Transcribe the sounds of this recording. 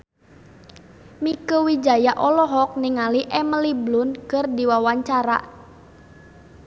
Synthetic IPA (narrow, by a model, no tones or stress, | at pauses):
mikəwid͡ʒajaʔɔlɔɦɔk̚niŋaliʔɛməliblʊnkərdiwawaɲt͡ʃaɾa̰